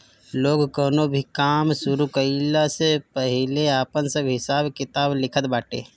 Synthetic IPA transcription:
loːɡkoːnobʱikaːmsʊɾukəɪlasepəɦɪleaːpənsəbɦɪsaːbkɪt̪aːblɪkʰət̪baːʈḛː

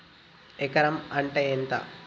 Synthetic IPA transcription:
ekɐɾɐmɐɳʈeent̪ɐ̰

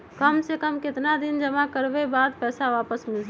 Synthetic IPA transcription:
kəmsekəmkɪt̪nad̪ind͡ʒəmakəɾbebad̪̚pɛsaʋapəsmils

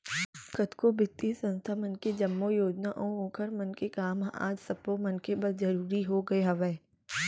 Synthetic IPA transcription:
kɐt̪kobɪt̪isɐ̃nst̪ʰamɐnked͡ʒɐmːojoːd͡ʒnaʔõːõːkʰəɾmɐnkekaːma̰ːd͡ʒsɐpomɐnkebəɾzɐɾuːɾiɦoɡɐeɦɐʋeː

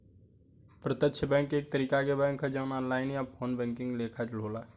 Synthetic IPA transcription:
pɾət̪əkt͡ʃʰəbɛ̃ːŋkeːk̚t̪əɾiːkakebɛ̃ːŋkɦəd͡ʒaːnaːnlaːɪnijapʰoːnbɛ̃ːŋkɪ̃ŋɡleːkʰad͡ʒl̤oːlaː

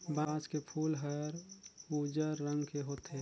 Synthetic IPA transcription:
baːskepʰuːlɦəɾud͡ʒəɾːə̃ŋɡkeɦot̪e

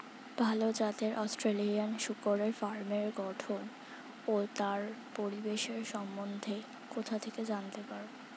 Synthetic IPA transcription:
bʱalod͡ʑat̪eɾʔɔsʈɾelianʃukoɾeɾfaɾmeɾɡɔʈʰon | ot̪aɾpoɾibeʃeɾʃɔmːond̪ʱe | kot̪ʰat̪ʰeked͡ʑant̪epaɾ

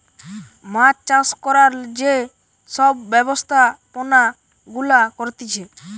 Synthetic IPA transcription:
mat͡ɕt͡ɕaskɔɾaɾd͡ʑe | ʃɔbːɛbost̪ʰapona | ɡulakoɾt̪it͡ɕʰe

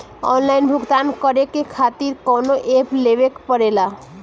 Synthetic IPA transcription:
ɔ̰nlainbʱuɡt̪ankəɾekekʰat̪iɾkonoʔepleβekpəɾela

